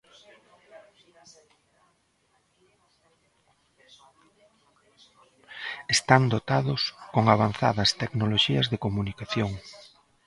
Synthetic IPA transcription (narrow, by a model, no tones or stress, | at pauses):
est̪and̪ot̪aðʊskoŋaβanθa̰ðɐst̪ɛknoloʃiɐzðekomunikaθjoŋ